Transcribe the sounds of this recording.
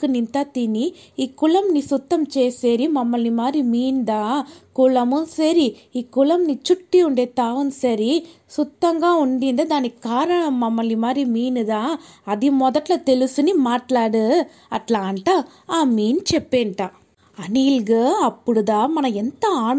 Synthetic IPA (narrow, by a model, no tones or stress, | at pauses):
ɯnɪnt̪aːt̪iniiːkʊlɐmniːsʊt̪ːɐmt͡ʃeːsɐɾimɐmːɐlimaːd̪ɾimiːnd̪ãːkʊlɐmɯsɐɾi | iːkʊlɐmniːt͡ʃʊʈːiʊɳɖeːt̪aːʋɐnsɐɾi | sʊt̪ːɐŋɡãːʊɳɖiːnd̪ɐd̪ãːnikaːɾɐɳɐmːɐmːɐlimaːd̪ɾimiːnɯd̪ãːɐðimɔðɐʈːlɐt̪ɛlɯsɯnimaːʈlaːɽɯ | ɐʈlaːɳʈa | aːmiːnt͡ʃɛpːeːnʈãː | ɐniːlɡɯɐpːɯɽɯd̪ãːmɐnɐ̃ɛnd̪ɐaːɳ